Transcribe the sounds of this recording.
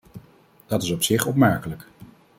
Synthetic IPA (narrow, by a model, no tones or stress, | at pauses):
d̥ɑtɪsɔpsɪχɔpmɛɹkələk